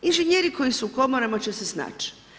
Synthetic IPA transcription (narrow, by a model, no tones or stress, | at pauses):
inʒeɲeːɾiko̞jisuːko̞moɾamat͡ʃesesna̰ːt͡ʃ